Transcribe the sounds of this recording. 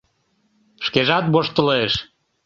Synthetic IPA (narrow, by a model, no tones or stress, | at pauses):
ʃkeʒɑt̪̚boʃt̪əleʃ